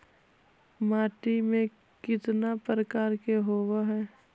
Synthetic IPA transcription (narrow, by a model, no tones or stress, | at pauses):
maːʈimẽ | kɪt̪napɾəkaːɾkeɦoːwaɦɛː